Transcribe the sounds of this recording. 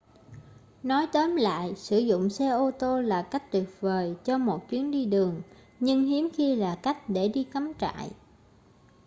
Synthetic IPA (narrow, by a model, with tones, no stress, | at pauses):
nɔ˨˦jt̪əː˨˦mla̰ː˧˨jsɨ˧˩zʊ̰˧˨ŋ͡msɛ˧ʔo˧t̪o˧laː˨˩ka˦˥jk̟̚t̪wi˨˩ət̚vəː˨˩jt͡ɕɔ˧mo˨˩t̚t͡ɕwi˨˦ənɗi˧ɗɨ˨˩əŋ | ɲɨ˧ŋɦi˨˦əmxi˧laː˨˩ka˦˥jk̟̚ɗe˧˩ɗi˧ka˨˦mt͡ɕa̰ː˧˨j